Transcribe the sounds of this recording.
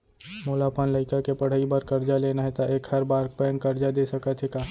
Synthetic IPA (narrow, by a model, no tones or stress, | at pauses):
moːlapaːnləɪkakepɐɽ̤əibəɾkɐɾd͡ʒaleːnaɦɛt̪aʔeːkhɐɾbaːɾk̚pɛə̃ŋkɐɾd͡ʒad̪eːsɐkət̪ɦɛkaː